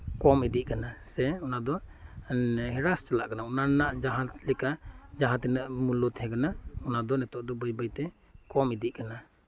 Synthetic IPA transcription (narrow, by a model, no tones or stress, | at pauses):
kɔmid̪iʔ̚kanasɛɔnad̪ɔ | hɛɾast͡ʃalaʔkanaɔnanaʔd͡ʒaɦat̪lɛkad͡ʒaɦat̪inaʔmulɔt̪hɛkanaɔnad̪ɔnɛt̪ɔʔd̪ɔbəjbəjt̪ɛ | kɔmid̪iʔkana